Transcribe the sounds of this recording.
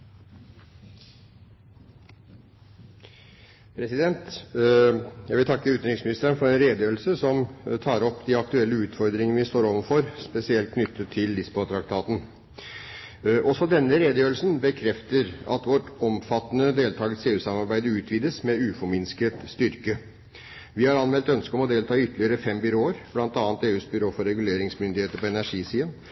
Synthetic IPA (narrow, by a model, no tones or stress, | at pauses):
pʰɾɛsɪd̪ɛnt̪ | jæɡʋɪlt̪ʰɑkːəʉːt̪ɪŋsmɪnɪst̪əɾənfɔɾɛnɾeːd̪əjøːɾl̩səsɔmt̪ʰɑːɾɔpːd̪ɪɑk̚t̪ʉɛlːəʉːt̪fɔɾd̪ɾɪŋənʋɪst̪oːɾoːʋənfɔɾspɛsɪɛlt̪̚kʰnʏt̪ʰːət̪ʰːɪld̪ɪspɔt̪ʰɾɑk̚t̪ʰɑːt̪n̩ | ʔɔsɔd̪ɛnːəɾeːd̪əjøːɾl̩sn̩bəkʰɾɛft̪əɾɑ̰t̪ʋɔʈɔmfɑt̪ːənəd̪eːlt̪ʰɑːɡət̪seːʉːsɑmɑɾbæɪd̪əʉːt̪ʰʋiːd̪əsmɛʉːfɔɾmɪnskət̪st̪ʏɾkə | ʋɪhɑɾɑnmɛlt̪œnskəɔmɔd̪eːlt̪ʰɑːʏt̪ːəlɪəɾəfɛmbʏɾoːəɾblɑnt̪ɑːnt̪eːʉːsbʏɾoːfɔɾɛɡʉleːɾɪŋsmʏnd̪ɪheːt̪əɾpɔɛnæʂiːsiːɑn